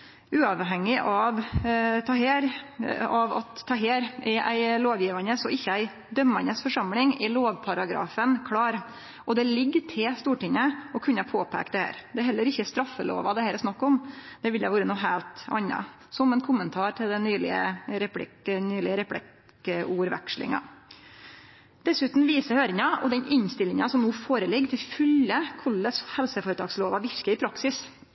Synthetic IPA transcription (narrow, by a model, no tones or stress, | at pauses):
ʉːɑʋɦɛŋːɪʔɑʋt̪ʰɑːɦeːɾɑʋɑ̰t̪ʰːɑːɦeːɾʔɛʔæ̰ɪloːʋjiːʋɑnəsɔɪçːəæɪ | d̪œmːɑnəsfɔʂɑmlɪŋɛɭoːʋpʰɑɾɑɡɾɑ̰ːfənkʰlɑːɾ | ʔɔd̪ɛlɪɡːt̪ʰɪlst̪uːʈɪŋːəɔkʰʉnːɑpʰoːpʰæ̰ːkt̪d̪ɛhæ̰ːɾd̪ɛɦɛlːəɾɪçːəɛst̪ɾɑfːəlo̰ːʋɑd̪ɛhæːɾɛɾsnɑkːɔmd̪̥ɛʋɪljæʋuːɾənuːɦæːlt̪ɑ̰nːɑ̰ | sɔmɛnkʰʊmənt̪ʰɑːɾʈ̪ʰɪld̪ɛnyːlɪ̰ə̰ɾɛpʰlɪ̰knyːlɪəɾɛpʰɽɪk | əuːɾʋæ̰kʂlɪ̰ŋɑ̰ | d̪ɛsʉːt̪n̩ʋiːsəhøːɾɪŋɑɔ̰d̪ɛnɪɲst̪ɪlːɪŋɑsɔmnuːfoːɾəlɪɡːt̪ʰɪlfʏlːəkʰɔlːəshɛlsəfoːɾət̪ʰɑːɡsloːʋɑʋɪɾkəɪpʰɾɑksɪs